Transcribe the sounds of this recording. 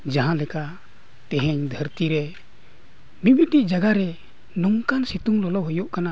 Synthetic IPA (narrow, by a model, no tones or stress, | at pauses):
d͡ʒaɦãlɛka | t̪ɛɦɛɲd̪ʱəɾt̪iɾɛ | mibiʈiʔd͡ʒaɡaɾɛ | nɔŋkansit̪uŋlɔlɔɦɔjuʔkana